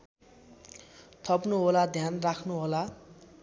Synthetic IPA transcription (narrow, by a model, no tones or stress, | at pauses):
t̪ʰʌpnuɦolad̪ʱjanrakʰnuɦola